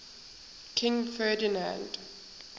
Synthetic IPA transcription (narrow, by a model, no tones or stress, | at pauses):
kʰɪ̃ŋfɜːdɪnã̰nd̥